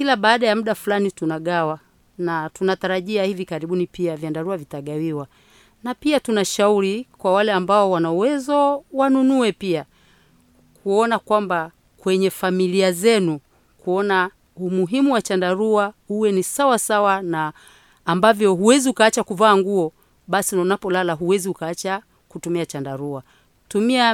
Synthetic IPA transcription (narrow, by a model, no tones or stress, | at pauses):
kilaɓaːɗajamuɗafulanitunaɠawa | natunataɾaʄiahivikaɾiɓunipiavjandaɾuavitaɠawiwa | napiatunaʃauɾikwawalɛambaɔwanauwɛzɔwanunuɛpia | kuɔnakwamba | kwɛɲɛfamiliazɛnu | kuɔna | umuɦimuwat͡ʃandaɾuahuwɛnisawasawanaː | mbavjɔɦuwɛziukaat͡ʃakuvaːŋɡuɔ | ɓasinaunapɔlalaɦuwɛziukaat͡ʃa | kutumiat͡ʃandaɾua | tumia